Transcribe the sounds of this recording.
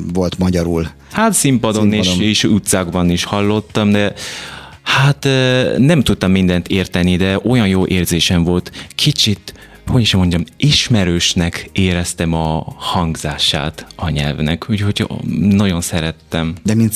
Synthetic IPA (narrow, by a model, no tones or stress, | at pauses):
vo̞lt̪mɒɟɒɾul | hat̪simpɒd̪oneeʃut̪saːɡbɒniʃhɒlːo̞t̪ːɒmd̪ɛ | hat̪nɛmt̪ut̪ːɒmːind̪ɛnt̪ʰeːrt̪ɛnid̪ɛʔo̞jɒnjoːʔeːrzeːʃɛmvo̞lt̪kʰit͡ʃit̪ | ho̞ɟiʃmo̞ɲɟɒmiʃmɛɾøːʃnɛkeːɾɛst̪ɛmɒhɒŋɡzaːʃa̰ːt̪ɒɲɛ̰lvnɛ̰kucho̞cʰnɒɟo̞nsɛɾɛt̪ːɛmd̪ɛmint̪